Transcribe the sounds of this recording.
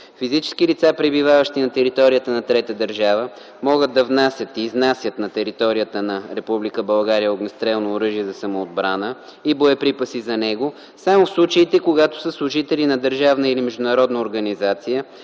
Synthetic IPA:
fizit͡ʃɛ̥sk̟ilit̪sapɾɛbivavəʃt̪inɐt̪ɛɾit̪ɔɾijət̪ənɐt̪ɾɛt̪əd̪əɾʒavə | mɔɡəd̪̚ːɐvnasʲjət̪iːznasʲjət̪nɐt̪ɛɾit̪ɔɾijət̪ənɐɾɛpublikəbɐlˠɡaɾijəoɡnɛst̪ɾɛlˠnoːɾɤʒiɛzɐsɐmoːd̪̚bɾanə | iboɛpɾipəsizɐnɛɡo | samofslˠut͡ʃəit̪ɛkoɡat̪o̥səslˠʊʒit̪ɛlinɐd̪əɾʒavnəilimɛʒd̪ʊnɐɾɔd̪nəoɾɡɐnizat̪sijə

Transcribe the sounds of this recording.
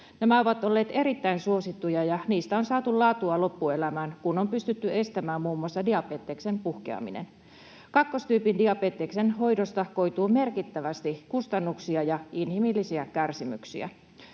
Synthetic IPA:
næmæo̞ʋɑt̪o̞lːe̞ːt̪e̞ɾit̪ːæinsuo̞sit̪ːujɑjɑniːst̪æonsɑːt̪ullɑːt̪uɑlo̞pːue̞læmæːnkunompyst̪yt̪ːye̞st̪æmæːmːuːmuɑsːɑdiɑpeːt̪ːeksempuhkḛɑ̰mḭnḛn | kɑkːo̞st̪yːpindiɑpeːt̪ːeksenɦo̞jdost̪ɑko̞jt̪uːme̞rkit̪ːæʋæst̪ikust̪ɑnːuksiɑjɑinhimilːisiækærsimy̰ksḭæ̰

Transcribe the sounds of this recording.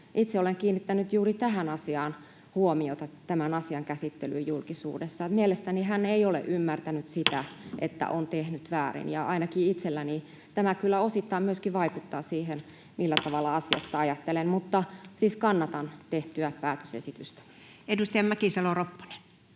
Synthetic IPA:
ʔit̪seoleŋkiːnːit̪ːænyt̪juːrit̪æɦænɑsiɑːn | huomiot̪ɑt̪æmænɑsiɑŋkæsit̪ːelyjulkisṵːdesːɑmielest̪æniɦæneiolḛʔymːært̪ænyt̪sit̪æʔḛt̪ːæ̰ʔont̪ehnyt̪ʋæːrḭnjɑʔɑinɑkiit̪selːæni | t̪æmækylːæosit̪ːɑimmyøskiʋɑikut̪ːɑːsiːhen | milːæt̪ɑʋɑlːɑɑsiɑ̰st̪ɑɑjɑt̪ːelemmut̪ːɑsiːskɑnːɑt̪ɑnt̪eht̪yæpæːt̪ø̥sḛsit̪yst̪æ̥ | edust̪ɑjɑmmækisɑloropːɑ̥ne̥n

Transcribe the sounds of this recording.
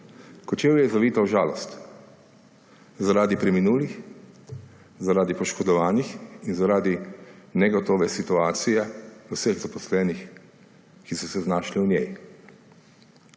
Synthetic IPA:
kɔt͡ʃeːwjɛzaʋiːt̪awʒaːlɔst̪ | zaɾaːd̪ipɾɛminuːlix | zaɾaːd̪ipɔʃkɔd̪ɔʋaːnixinzaɾaːd̪inɛɡɔt̪oːʋɛsit̪uaːt̪sijɛusəɣzapɔslɛːnix | kisɔsɛznaːʃliunʲjɛ̰j

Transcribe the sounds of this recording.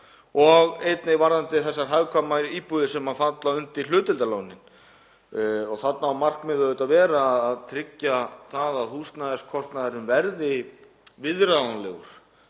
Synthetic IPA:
ɔɣejt̪nɪvaɾðant̪ɪθɛsːaɾ̥ɦaɥkʰamaiːpuðɪsɛmhafant̪laʏnt̪il̥ʏːt̪ɪlt̪alawnɪn | ɔɣθat̪naamar̥kmɪðœðʏt̪aðvɛːɾaːðːðt̪ʰɾɪcːaθaðaðhust̪naðɛskʰɔst̪naðɛɾʏmvɛɾðɪ | vɪðɾaanlɛ̰ɣʏ̰ɾ̥

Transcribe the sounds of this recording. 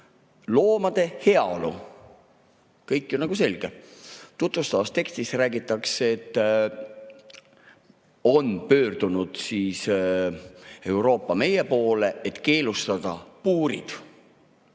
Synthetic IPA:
lo̞ːmɑd̪̥e̞he̞ɑolṵ | kɤjkːjonɑɡ̥use̞lɡ̥et̪ut̪vust̪ɑvɑst̪e̞kst̪isræːɡit̪ːˑɑkset̪ːˑ | o̞npø̞ːrd̪̥unud̪̥siːs | e̞wɾo̞ːpːˑɑme̞je̞po̞ːle̞et̪ke̞ːlust̪ɑd̪̥ɑpuːɾḭd̪̥

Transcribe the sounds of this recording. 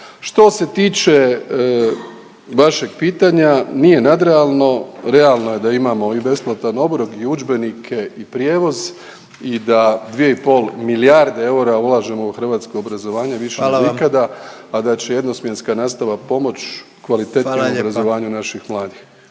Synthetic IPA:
ʃt̪o̞se̞t̪iːt͡ʃe | ʋaʃe̞ɡ̚piːt̪aɲanije̞nad̪ɾealˠno̞ɾe̞alˠnoje̞d̪aimaːmo̞ibe̞splˠat̪ano̞bɾoɡiud͡ʒbe̞nikʰe̞ipɾje̞ːʋo̞z | id̪ad̪ʋije̞ipo̞lˠmiliaɾd̪ee̞uɾaulˠaːʒe̞mo̞uxr̩ʋaːt̪skoobɾazo̞ʋaːɲeʋiʃeikad̪aːd̪at͡ɕe̞je̞d̪no̞smje̞nskanaːst̪aʋapo̞mo̞t͡ɕ | kʋalit̪etnomobɾazoʋaːɲunaʃixmlˠaːd̪ix

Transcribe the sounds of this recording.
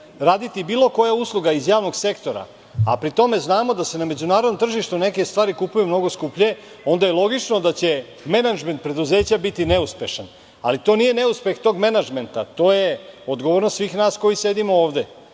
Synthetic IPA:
ɾaːd̪it̪ibiːlˠo̞ko̞jauslˠuɡaizjaːʋno̞ɡse̞kt̪o̞ɾa̰ | a̰pɾit̪o̞me̞znaːmod̪ase̞name̞d͡ʑunaːɾod̪nomt̪r̩ʒiʃt̪une̞ke̞st̪ʋaːɾikupujumno̞ɡo̞skupʎe̞ | o̞nd̪ajelˠo̞ɡit͡ʃno̞d̪at͡ɕe̞ | me̞nad͡ʒme̞nt̪̚pɾe̞d̪uzeːt͡ɕabit̪ine̞uspe̞ʃan | a̰lit̪o̞nije̞ne̞uspe̞xt̪o̞ɡmenad͡ʒme̞nt̪at̪o̞ːje̞od̪ɡoʋoɾnost̪sʋiːxnaːsko̞jisje̞d̪imo̞oːʋd̪e

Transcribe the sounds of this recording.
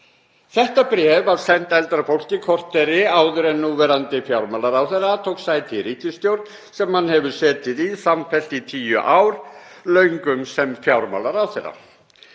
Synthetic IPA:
θɛht̪apɾɛːvavsɛn̥t̪ɛlt̪ɾafowl̥cɪkʰɔr̥t̪ɛɾɪaːwðʏɾɛnːuːvɛɾant̪ɪfjawɾmaːlaɾawθerːat̪ʰowksaːjt̪ʰɪɾiːcɪst̪jowɾt̪n | sɛmhanːhɛvʏɾ̥sɛːt̪ɪðisamfɛl̥t̪it̪ʰiːjʏ̰ʔaːwɾ̥lœːɥŋkʏmsɛmfjawɾma̰laɾawθerːa̰

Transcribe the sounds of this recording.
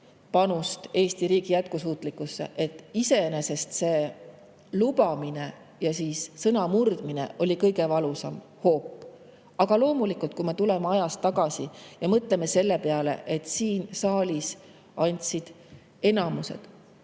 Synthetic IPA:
pɑnust̪e̞ːsʲt̪iɾiːɡ̥ijæt̪̚kusuːt̪ˑlikːˑusːe̞̰ʔet̪ːˑise̞ene̞se̞st̪se̞ː | lubɑmine̞ | jɑsiːssɤnɑmurd̪̥mine̞̰ʔo̞lʲikɤjɡe̞vɑlusɑm | ho̞ːpːˑ | ɑɡ̥ɑlo̞ːmulikult̪̚kume̞t̪ule̞meɑjɑst̪ːˑɑɡɑsijɑmɤt̪le̞mese̞lːe̞peɑle̞̰ʔe̞t̪ːsiːnsɑːlʲis | ɑnʲt̪ʲsid̪̥ | e̞nɑmuse̞̰d̪̥

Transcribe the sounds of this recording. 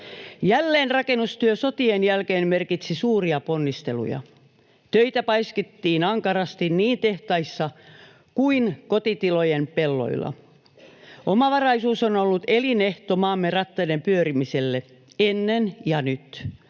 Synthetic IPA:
jælːeːnrɑkenːust̪yøso̞t̪ienjælkeːnmerkit̪sisuːriɑponːist̪e̞lṵjɑ̰ | t̪øit̪æpɑisket̪ːiːnɑŋkɑrɑst̪inniːnt̪e̞ht̪ɑisːɑ | kuinkot̪it̪ilojempelːo̰ḭlːɑ̰ | ʔomɑʋɑrɑisuːsonolːut̪eline̞ht̪omɑːmːerɑt̪ːɑdempyøɾimiselːe | enːenjɑnyt̪

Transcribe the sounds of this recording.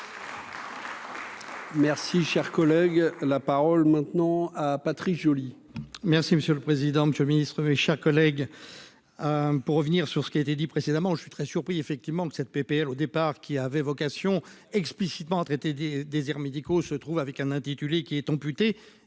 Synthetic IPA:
mɛʁsiʃɛʁkɔlɛɡlapaʁɔlmɛ̃t̪nɑ̃apat̪χikʒoli | mɛʁsiməsjøləpχezid̪ɑ̃məsjøləminist̪χəmeʃɛʁkɔlɛɡ | puʁːəvniʁsyʁsə̥kʲiaet̪ed̪ipχesed̪amɑ̃ʒəsɥit̪χɛsyʁpχiefɛk̚t̪ivmɑ̃kə̥sɛt̪̚pepeɛlod̪epaʁkʲiavɛvɔkasjɔ̃ɛksplisit̪mɑ̃at̪χet̪ed̪ed̪ezɛʁmed̪ikosət̪χuvavɛkɛ̃nɛ̃t̪it̪ylekʲiɛt̪ɑ̃pyt̪e

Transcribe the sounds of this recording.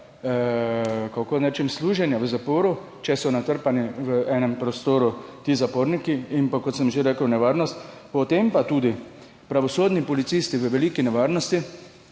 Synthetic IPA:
kakonɛt͡ʃɛmsluːʒɛnjaʋəzapoːɾu | t͡ʃɛsɔnat̪əɾpaniʋəɛːnɛmpɾɔst̪oːɾut̪iːzapoːɾnikiːnpakɔt̪səmʒeɾɛːkəwnɛʋaɾnɔst̪pɔt̪empat̪uːd̪i | pɾaʋɔsoːd̪nipɔlit̪siːst̪iʋəʋɛliːkinɛʋaɾnɔst̪i

